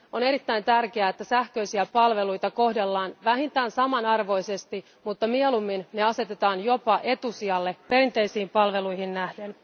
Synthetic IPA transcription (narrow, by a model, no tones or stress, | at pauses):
o̞ne̞ɾit̪ːæjnt̪ærkeæet̪ːæsæhkø̞jsiæpɑlʋe̞lujt̪ɑko̞hde̞lːɑːnʋæɦint̪æːnsɑmɑnɑrʋo̞ise̞st̪i | mut̪ːɑmielumːinneɑse̞t̪et̪ɑːnjo̞pɑʔe̞t̪usiɑlːe̞pe̞rint̪e̞jsiːmpɑlʋe̞lujhinnæhden